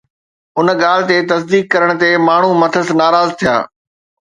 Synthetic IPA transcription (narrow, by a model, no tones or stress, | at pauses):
ʊn̆ɠaːl̤ɪ̆t̪et̪ɐs̬d̪iːkːɐɾəɽ̃̆t̪emaːɳ̤umɐt̪ʰəsnaːɾaːzt̪ʰija̰ː